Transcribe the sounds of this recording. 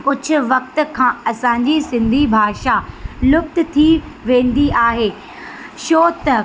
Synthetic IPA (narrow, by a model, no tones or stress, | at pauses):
kʊd͡ʑʱʊ̆ʋɐk̚t̪ʊ̆kʰãːɐsãːɲ̆d͡ʑisɪ̃nd̪ʱibʱaːʃalʊk̚t̪̆t̪ʰiʋẽːn̆d̪iʔaːɦeː | ʃoːt̪ɐ